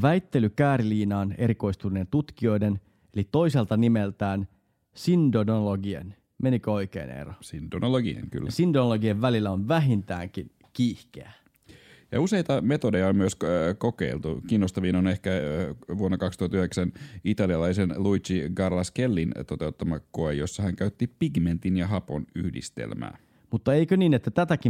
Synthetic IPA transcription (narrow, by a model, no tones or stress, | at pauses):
ʋæjt̪ːe̞lykæːɾiliːnɑːne̞̰ɾiko̞ist̪uline̞nt̪ut̪kio̞jde̞n | e̞lit̪o̞iselt̪ɑnimelt̪æːn | sindonoloɡiḛn | me̞nikøo̞ike̞̰ːnḛrosindonoloɡḭḛŋky̰lːsindonloɡieʋʋælilːæonʋæɦint̪æ̰ːŋkin | kiːhkḛæ | jɑ̰use̞it̪ɑmet̪odejɑommyøskokḛilt̪ukinːost̪ɑʋiːnonehkæʋuonːɑkɑkst̪uhɑt̪yheksænit̪ɑliɑlɑisenluit͡ʃiɡɑrlɑskelːint̪ot̪eut̪ːɑmɑkːoejjosːɑhæŋkæyt̪ːipiɡment̪injɑɦɑpony̰hdḭst̪ḛlmæ̰ː | mut̪ːɑeikøniːnet̪ːæt̪æt̪æki